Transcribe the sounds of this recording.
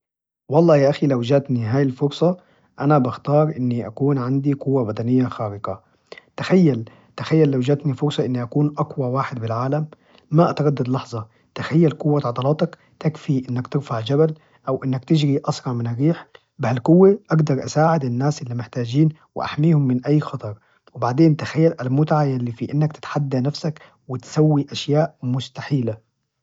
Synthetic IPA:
wɑlˤːɑːjaːʔaxilawd͡ʒaːt̪niɦaːjɪlfʊɾsˤɑ | ʔanabɪxt̪ɑːɾˤʔɪnːiʔakuːnʕand̪iqʊwːabad̪anɪjːaxaːɾɪqa | t̪axajːal | t̪axajːalːawd͡ʒaːt̪nifʊɾˤsˤɑʔɪnːiʔakuːnʔaqwawaːħɪd̪bɪlʕaːlamː | aʔat̪ɑɾˤɑd̪ːad̪lɑħzˤɑ | t̪axajːalkʊwːat̪ʕɑd̪ˤɑlɑːt̪ˤɑk | t̪akfiʔɪnːakt̪ɪɾfaʕd͡ʒabal | ʔawʔɪnːakt̪ɪd͡ʒɾiʔɑsˤɾˤɑʕmɪnʔaɾiːħ | bɪhalkʊwːeʔaɡd̪ɑɾˤʔasaːʕɪd̪ɪnːaːsʔɪlːimɪħt̪aːd͡ʒiːnwʔa̰ħmiːhʊmːɪnʔajːxɑt̪ˤɑɾˤ | wɪbaʕd̪eːnt̪axajːalʔalmʊt̪ʕajalːifiʔɪnːakt̪ɪ̥t̪ħad̪ːanafsak | wɪt̪sawːiʔaʃjaːʔmʊst̪aħiːla

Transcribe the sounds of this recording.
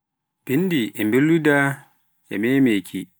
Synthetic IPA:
b̥indiʔɛmbelːuda | ɛ̰mɛmekʰi

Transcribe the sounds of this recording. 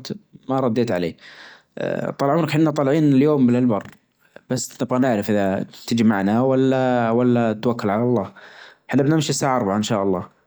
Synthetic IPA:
t̪maɾˤɑd̪ːeːt̪ʕalḛː | t̪ˤɑlːʕuːnakħɪnːat̪ˤɑlʕiːnɪljoːmbɪlɪlbɑrˤ | b̥asːnɪbɣɑnɪʕɾɪfʔɪðat̪ɪd͡ʒmaʕnawalːawalːat̪wakːʊlʕalɑlˤːɑːħɪnːabnɪmʃisːaːʕaʔɑɾˤbʕaɪnʃaːʔɑlˤːɑ̰ː

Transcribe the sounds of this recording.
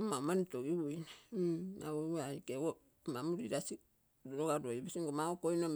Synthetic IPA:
mamanitoɡiwujnaa̰oaikeo | mamuɾiɾasi | ɾoɡaɾojbisiŋɡomaokojnom

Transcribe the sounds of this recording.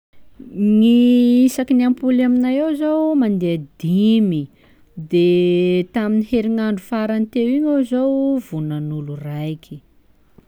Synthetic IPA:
niisakiniampulaminajewzowmand̪ead̪imi | d̪et̪aminiheɾiŋaɳɖ͡ʐufaɾant̪ewiɲawzowvunanulurajkʰʲi̥

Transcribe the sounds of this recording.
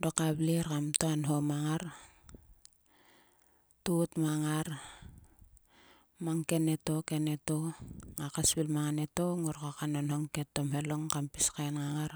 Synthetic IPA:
dokableɾkamtoanɦo̞maŋaɾ | tutmaŋaɾ | maŋke̞ne̞to̞ke̞ne̞toŋakasbilmaŋane̞toŋoɾkakanonhoŋke̞tːo̞mhe̞lo̞ŋkampiskaenŋaŋaɾ

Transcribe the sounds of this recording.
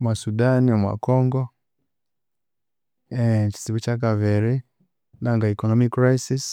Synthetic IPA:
mwasudaniamwa̰kɔŋɡɔ | ɛt͡ʃi̥siβut͡ʃak̬avɛɾi | naŋɡaikɔnɔmikːɾajsis

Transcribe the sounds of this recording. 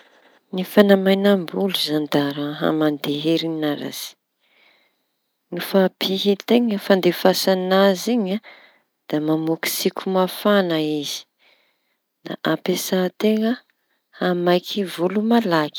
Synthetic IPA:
nifanamajnambuluzand̪aɾaɦa̰mand̪eɦeɾinaɾa̰z̥i̥ | nifapʰiɦit̪eŋəfand̪efasanaziɲa | d̪̥amamuki̥sikʲʰumafanaiz̥i̥ | na̰ʔapesat̪eŋə | hamajkʰivulumalaki̥

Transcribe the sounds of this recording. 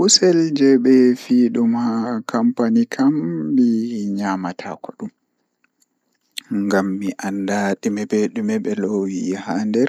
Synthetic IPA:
husɛld͡ʒɛɓɛfiːɗumhakʰampanikʰambiɲamatʰa̰kɔɗum | ŋɡamːiʔandaɗimɛbɛɗumɛɓɛlowihandɛɾ

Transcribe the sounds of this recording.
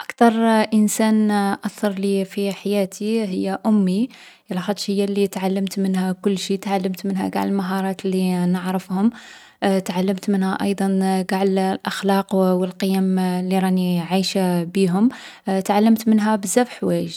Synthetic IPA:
ʔakt̪ɑɾˤʔənsænʔɑθɑɾˤlifiħajæt̪iɦəjːaʔʊmːi | lɑxɑd̪ˤʃhəjːalit̪ʕalːəmt̪mənhækʊlːʃit̪ʕalːəmt̪mənɦæ̰ɡa̰ʕəlmaɦɑɾˤɑt̪lːinəʕɾəfhʊm | t̪ʕalːəmt̪mənhæʔɑ̰jd̪ˤɑnɡaʕllʔaxlɑqwəlqəjæmlːiɾˤɑniʕiʃabiɦʊmt̪ʕalːəmt̪mənɦæbəzːæbħwæjʒ

